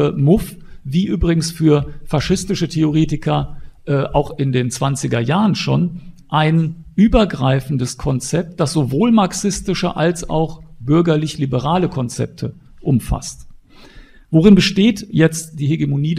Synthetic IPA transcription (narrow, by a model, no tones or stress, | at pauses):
əmʊf | viːʔyːbʁɪɡŋ̩sfyːɐfaʃɪstɪʃətʰeoʁ̞eːtɪkʰɐʔɛːʔaʊxɪndeːnt͡sv̥ant͡sɪɡɐjaːʁənʃoːnʔaɪnʔyːbɐɡʁaɪfn̩dəskʰɔnt͡sɛp̚t̚d̥asz̥ovoːlmaɐksɪstɪʃə̰ʔalsa̰ʊxb̥ʏɐɡɐlɪçlibəʁaːləkʰɔnt͡sɛ̰p̚tʰə | ʔʊmfa̰st | voʁɪnbəʃteːtjɛt͡std̥iːɦeɡemoniː